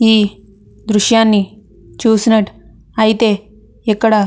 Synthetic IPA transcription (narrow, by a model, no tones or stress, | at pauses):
iː | d̪ɾuʃjaːnːi | t͡ʃuːsnɐʈ | ɐjt̪e | ekːɐɽa